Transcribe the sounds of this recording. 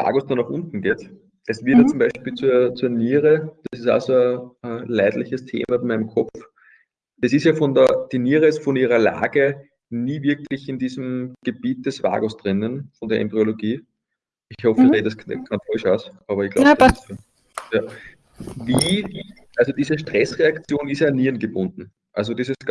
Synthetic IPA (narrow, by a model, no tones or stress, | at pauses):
va̰ːɡosd̥anːɔχʔʊ̰̃nt̪n̩ɡeːt | ʔɛsv̥ɪɐjat͡sʊmbæɪʃpiːlt͡suɐt͡suːɐniːʁəd̥asɪsa̰ːsoəəlæɪdlɪçəstʰḛːmɐbɪnmæɪnmkʰɔp͡f | ɛsɪstjaːfɔndɐd̥iniːʁəɪstfɔniːʁɐla̰ːɡ̥ə | niːviɐklɪçɪndiːzm̩ɡ̥əb̥iːt̚d̥ɛsva̰ːɡosd̥ʁɪnənfɔndeɐḛmbʁioloɡiː | ɪçhɔfɪʁedɐskʰanfɔʃaːsʔɑːβɐɪçɡ̥la̰b̥ | jaː | viːi | ʔalzod̥iːzəʃtʁ̥ɛsʁeakt͡sjoːnɪsjaːnːiːɐnɡəbʊ̃ndn̩ | ʔalzod̥isəs